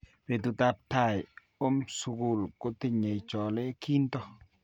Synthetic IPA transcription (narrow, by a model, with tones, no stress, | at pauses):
ɾe˨tu˨ta˨p̚ta˦˨j | o˦msu˨ku˨lko˦ti˦˨ɲe˨jt͡ʃɔ˨le˦kiː˦ntɔ˦